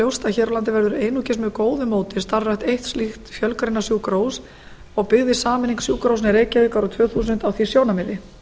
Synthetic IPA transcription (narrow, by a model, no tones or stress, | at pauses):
owst̪açɛːɾɔlant̪ɪvɛɾðʏɾejnucɪsmɛkoːwðʏmoːwt̪ɪst̪arraxt̪ejht̪stlixt̪fjœlkɾejnasjuːkɾoːws | ɔɣpɪɣðɪsaːmɪniŋksjuːkɾows̬nɪɾeːjcaðɪkaɾɔt̪ʰvœːθuːs̬ʏnt̪awθisjoːwnamɪðɪ